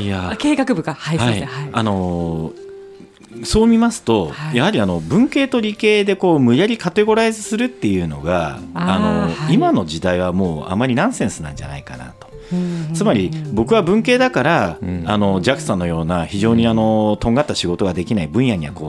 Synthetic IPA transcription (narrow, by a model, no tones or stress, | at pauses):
iakeːkakɯ̟bɯ̟ɡahahaiano̞ | so̞ːmʲimasɨ̥t̪o̞jahaɾʲiano̞bɯ̟̃ŋke̞ːt̪o̞ɾʲike̞ːd̪e̞ko̞ːmɯ̟jaɾʲikat̪e̞ɡo̞ɾaizɨsɨɾɯ̟t̪ːe̞jɯ̟ːno̞̰ɡaano̞imano̞d͡ʑid̪aiβ̞amo̞ːa̰mːaɾʲinãɰ̃sẽ̞ɰ̃sɨnã̰ɲd͡ʑa̰na̰ika̰na̰t̪o̞̥ | t͡sɨmaɾʲibo̞kɯ̟βabɯ̟̃ŋke̞ːd̪akaɾaːno̞d͡ʑakɯ̟̥sãnːo̞jo̞ːnaçiʑo̞ːɲ̟iano̞t̪o̞ŋɡat̪ːaɕiɡo̞t̪o̞ɡad̪e̞kʲinaibɯ̟̃ɰ̃jaɲ̟iβa̰ko̞ː